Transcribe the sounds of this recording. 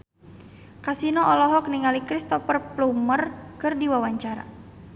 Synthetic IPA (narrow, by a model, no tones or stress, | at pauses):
kasinɔʔɔlɔɦɔk̚niŋalikɾist̪ɔfərplumərkɨrdiwawaɲt͡ʃaɾa̰